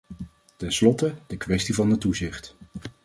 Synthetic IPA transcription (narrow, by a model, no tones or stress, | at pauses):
tɛnslɔtədəkʋɛstivɑnətuzɪχt